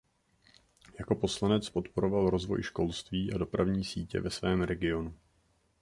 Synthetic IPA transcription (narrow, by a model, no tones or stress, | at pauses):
jako̞po̞slanɛt͡spo̞t̪po̞ɾo̞valɾo̞zvo̞̰jʃko̞lst̪viːʔado̞pɾavɲiːsiːcɛ̰vɛsvɛːmɾɛɡɪo̞nu